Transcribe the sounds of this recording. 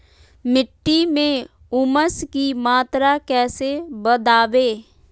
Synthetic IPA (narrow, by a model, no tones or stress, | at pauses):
mɪʈːimẽ | ʊməskimaːt̪ɾakɛːsebəd̪aːʋeː